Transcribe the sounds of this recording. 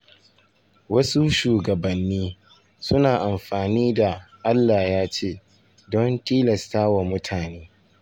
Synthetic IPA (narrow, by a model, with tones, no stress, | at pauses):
wɐ˦su˦ʃuː˨ɡɐ˨bɐ˨nːiː˦ | sʊ˦naː˨ʔa˨mɸaː˨niː˦da˨ʔa˦lːaː˨jaː˦t͡ʃeː˦˨ | dɔ˦ntiː˦lɐ˨staː˦wa˨mʊ˦tʰaː˨neː˦